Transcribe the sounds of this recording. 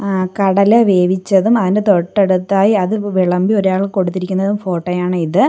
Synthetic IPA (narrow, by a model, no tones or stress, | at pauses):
kɐɽɐleʋe̞ːʋit͡ɕːɐðumɐðinde̞t̪o̞ʈːeɽut̪ːaːjiɐðɨʋiɭɐmbio̞ɾaːɭlko̞ɽut̪ːiɾikʲːunːɐðumfo̞ːʈːɐjaːɳɨiðɨ